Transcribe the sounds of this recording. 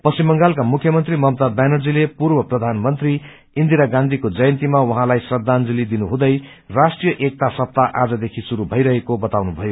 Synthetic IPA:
pʌsimːʌŋɡalkamukʰjʌmʌnt̪rimʌmt̪ab̪anʌrd͡zilepurbʌprʌd̪ʱanmʌnt̪ri | ind̪iɾaɡãnd̪ʱikod͡zʌjʌnt̪imawʌɦãlajsrʌd̪ːand͡zilid̪inuɦũd̪ʌj | rasʈrijʌʔek̚t̪asʌp̚t̪aʔad͡zʌd̪ekʰisuɾubʱʌjɾʌɦekobʌt̪awnubʱʌjo

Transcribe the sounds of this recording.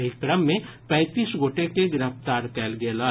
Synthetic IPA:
ɪkɾəmːẽpɛ̃ːt̪iːsɡoːʈekeɡɪɾəft̪aːɾkɛːlɡelaː

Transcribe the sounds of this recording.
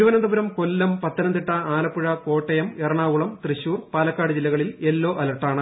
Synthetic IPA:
uʋɐnɐnd̪ɐbuɾɐmkolːɐmpɐt̪ːɐnɐnd̪iʈːɐʔaːlɐpːuɻɐko̞ːʈːɐjɐmerɐɳaːʋuɭɐmt̪riɕuːrpaːlɐkːaːɽɨd͡ʑilːɐɣɐɭilelːo̞ːʔɐlɐʈːaːɳɨ

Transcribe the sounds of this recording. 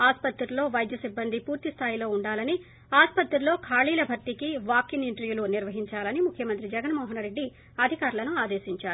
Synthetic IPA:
aːspɐt̪ɾɐlo̞ːʋɐjd̪jɐsibːɐnd̪ʱipuːɾt̪ist̪ʰaːjilo̞ːuɳɖaːlɐni | aːspɐt̪ɾulo̞ːkʰaːɭiːlɐbʱɐɾʈ̪ikiʋaːkiniɳʈɐɾjuluniɾʋɐɦiɲt͡ʃaːlɐnimukʰjɐmɐnt̪ɾid͡ʒɐɡɐnmɔːɦɐnɾe̞ɖːi | ɐd̪ʱikaːɾulɐnuaːd̪e̞ːʃiɲt͡ʃaːɾuu

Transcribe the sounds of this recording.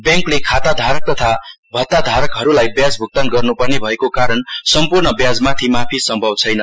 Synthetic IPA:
bjãŋklekʰat̪ad̪ʱaɾʌk̚t̪ʌt̪ʰa | bʱʌt̪ːad̪ʱaɾʌkɦʌɾulajbjad͡zbʱuk̚t̪ʌnɡʌrnupʌrnebʱʌekokaɾʌnsʌmpurnʌbjad͡zmat̪ʰimapʰisʌmbʱʌbt͡sʰʌjnʌ

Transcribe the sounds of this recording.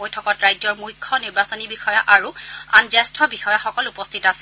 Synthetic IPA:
ojtʰɔkɔtɹajzɔɹmujkʰːɔniɹbasɔnibixɔjaʔaɹuanzɛstʰɔbixɔjaxɔkɔlupɔstʰitasɛ

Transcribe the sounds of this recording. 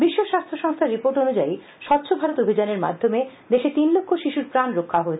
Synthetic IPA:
biʃːoʃast̪ʰoʃɔŋst̪ʰaɾipoɾʈonud͡ʑai | ʃɔt̪ːɕʰobʱaɾot̪obʱid͡ʑaneɾma̰d̪ʱːome | d̪eʃet̪inlokʰːoʃiʃuɾpɾanɾokʰːaɦoet͡ɕʰe

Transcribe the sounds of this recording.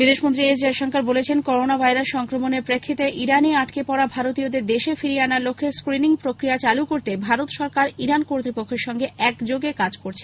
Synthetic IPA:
bid̪eʃmont̪ɾied͡ʑd͡ʑeʃɔŋkaɾbolet͡ɕʰenkɔɾonabʱajɾaʃʃɔŋkɾomoneɾpɾekʰːit̪eʔiɾaneaʈkepɔɽabʱaɾot̪iod̪eɾd̪eʃefiɾeanaɾlokʰːeɾskɾiniŋpɾokɾijat͡ɕalukoɾt̪ebʱaɾot̪ʃɔɾkaɾiɾankoɾt̪ɾipokʰːeɾʃɔŋɡeɛkd͡ʑoɡekad͡ʑkoɾt͡ɕʰen

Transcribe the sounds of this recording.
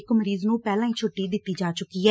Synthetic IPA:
kməɾiːznũːpɛːlãːiːt͡ʃʰʊʈːiːd̪ɪt̪ːiːd͡ʒaːt͡ʃʊkiːɦɛː

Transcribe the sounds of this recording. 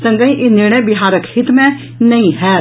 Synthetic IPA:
sə̃ŋɡəĩʔɪnɪɾɳ̃əjbɪɦaːɾəkhɪt̪mɛ̃ | nɐĩɦɛː

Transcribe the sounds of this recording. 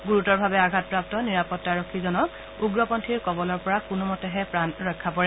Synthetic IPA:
ɡuɹutɔɹbʱabɛaɡʱat̚pɹap̚tɔniɹapɔtːaɹɔkʰːizɔnɔk̚ | uɡɹɔpɔntʰiɹkɔbɔlɔɹpɔɹakunumɔtɛɦɛpɹanɹɔjkʰːapɔɹɛ

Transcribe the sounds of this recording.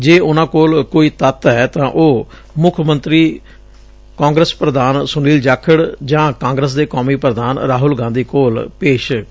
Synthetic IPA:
d͡ʒeːʔʊnãːkoːlkoːiːt̪ət̪ɦɛːt̪ãːʔoː | mʊkʰmənt̪ɾiː | kãːŋɡɾəspɾəd̪aːnsʊniːld͡ʒaːkʰəɽd͡ʒãːkãːŋɡɾəs̬d̪eːkɔːmiːpɾəd̪aːnɾaːɦʊlɡãːnd̪iːkoːlpeːʃ

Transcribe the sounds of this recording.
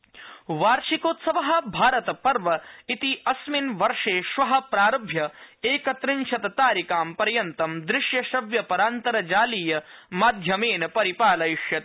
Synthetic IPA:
ʋaːɾʃikoːt̪sɐʋɐɦɐ̆bʱaːɾɐt̪ɐpɐɾʋɐit̪iɐsminʋɐɾʂeːʃʋɐɦɐ̆pɾaːɾɐbʱjɐeːkɐt̪ɾɪnt͡ʃʰɐt̪ɐt̪aːɾikaːmpɐɾjɐnt̪ɐmd̪ɾɪʂjɐʃɐʋjɐpɐɾaːnt̪ɐɾɐd͡ʒaːliːjɐ | maːd̪ʱjɐmeːnɐpɐɾipaːlɐjiʂjɐt̪

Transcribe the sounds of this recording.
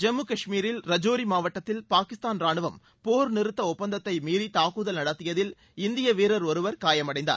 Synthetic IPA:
d͡ʒɛmːukɐʂmiːɾɪlɾɐd͡ʒoːɾimaːʋɐʈːɐt̪ːɪlpaːkɪst̪aːnɾaːɳɯʋɐm | poːɾnɪɾɯt̪ːɐɔpːɐnd̪ɐt̪ːɐɪmiːɾit̪aːkuðɐlnɐɽɐt̪ːɪjɐðɪl | ɪnd̪ɪjɐʋeːɾɐɾɔɾɯʋɐɾkaːjɐmɐɽɐɪnd̪a̰ː

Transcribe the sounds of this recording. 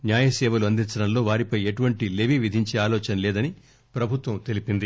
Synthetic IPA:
njaːjɐsɛːʋɐluɐnd̪int͡ʃɐɽɐnlo̞ːʋaːɾipɐjeʈuʋɐɳʈile̞ʋiʋid̪ʱiɲt͡ʃeːaːlɔːt͡ʃɐnɐlɛːd̪ɐni | pɾɐbʱut̪ʋɐmt̪e̞lipind̪i

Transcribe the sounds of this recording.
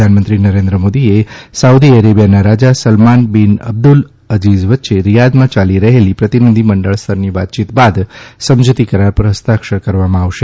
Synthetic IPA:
anmənt̪ɾinəɾend̪ɾəmod̪iesaud̪iəɾebijanaɾad͡ʒasəlmanbinə̰b̚d̪ul | əd͡ʒizʋətːʃeɾijad̪mãt͡ʃaliɾəɦelipɾət̪inəd̪ʱiməɳɖəɭst̪ʰəɾniʋat̪̚t͡ʃit̪bad̪səmd͡ʒt̪ikəɾaɾpəɾɦəst̪akʃəɾkəɾʋamãaʋʃe

